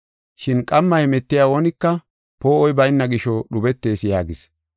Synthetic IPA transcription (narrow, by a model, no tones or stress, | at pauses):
ʃɪnkʼɐmːɐhɛmɛt̪ːɪjaːoːnɪkːɐ | poːɔjbɐjnːɐɡɪʃɔɗʊbɛt̪ːe̞ːsjaːɡɪs